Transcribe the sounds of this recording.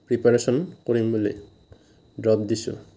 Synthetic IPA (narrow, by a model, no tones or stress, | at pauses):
pɹipaɾesɔnkoɾimbulḛ | dɹɔpd̪isṵ